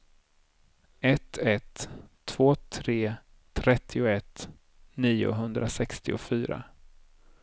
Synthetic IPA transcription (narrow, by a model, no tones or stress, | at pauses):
ɛt̪ʰːɛt̪ʰː | v̥oːt̪ʰɾeː | t̪ʰɾɛt̪ʰːɪʊɛt̪ː | niːʊ̰ɦɵnd̪ɾasɛkst̪ɪʊfyːɾa̰